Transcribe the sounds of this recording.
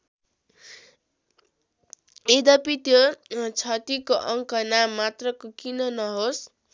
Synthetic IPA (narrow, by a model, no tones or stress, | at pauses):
ed̪ʌpit̪jot͡sʰʌt̪ikoʔʌŋkʌnamːat̪rʌkokinʌnʌɦos